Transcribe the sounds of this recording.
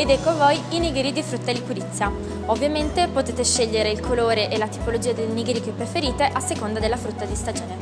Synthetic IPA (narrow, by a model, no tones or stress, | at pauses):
ed̪ɛkːovojiniɡeɾid̪ifɾut̪ːalikuɾit̪sːja | ovːjament̪epot̪eːt̪eʃːeʎːeɾeilkʰoloːɾeʔelat̪i̥polod͡ʒiːad̪elniɡɾikepːɾefeɾiːt̪eʔasːekond̪ad̪elːafɾut̪ːad̪ist̪ad͡ʒoːne